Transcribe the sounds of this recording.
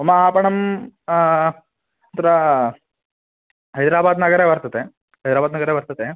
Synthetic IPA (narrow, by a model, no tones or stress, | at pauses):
omaːpɐɳɐm | t̪ɐɾɐ | ɦɐjd̪ɾaːbaːd̪nɐɡəɾeʋɐɾt̪ɐt̪e | ɦɐjd̪ɾaːbaːd̪nɐɡəɾeʋɐɾt̪ət̪e